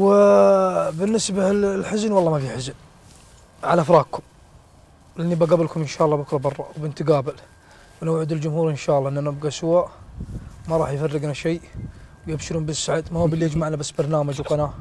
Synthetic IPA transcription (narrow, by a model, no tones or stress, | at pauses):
wɪ | bɪnːɪsbalħɪznwɑlˤːɑmafiħɪzn | ʕa̰laʔafɾˤɑːɡkʰʊm | lɪnːibaɡaːbɪlkʊmʔɪnʃaːʔɑlːɑbʊkɾˤɑbɑrˤːɑwbɪnt̪ɪɡaːbɪl | wnawʕʊd̪ɪld͡ʒʊmhuːɾʔɪnʃaːʔlːɑʔɪnːanɪbɡasʊwaʔ | maɾˤɑːħjfarːɪɡnaʃeːwjɪbʃɪɾumbɪsːaʕd̪mahuːbɪlːijad͡ʒmaʕnabasːbɑɾˤnaːmad͡ʒwqɑnaː